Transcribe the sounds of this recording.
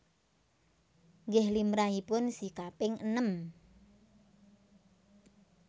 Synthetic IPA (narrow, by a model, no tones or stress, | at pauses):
ŋɡɛhlimɾaɦipʊnsikapɪŋənəm